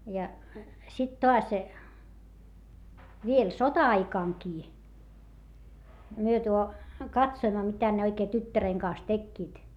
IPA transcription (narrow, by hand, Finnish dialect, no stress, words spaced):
jɑ sit toɑs ʋiel sotɑɑikɑŋkiː myø tuo kɑtsoimːɑ mitæ ne oikeː tytːæreŋ kɑːs tekːiːt